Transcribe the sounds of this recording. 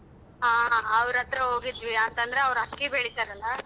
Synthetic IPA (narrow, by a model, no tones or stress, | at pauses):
ɦaːɐʋɾɐt̪ɾɐɦoːɡid̪ʋiɐnt̪ɐnd̪ɐɾeɐʋɾɐkːibeɭisɐɾɐlːɐ